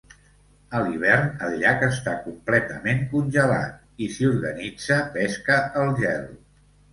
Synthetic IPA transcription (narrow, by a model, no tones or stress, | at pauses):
əliβ̞ɛrnəlʎakəst̪akumplɛt̪əmeŋkunʲʒəla̰t̪̚ | isiuɾɣənid͡zəpɛskəːlˠʒɛl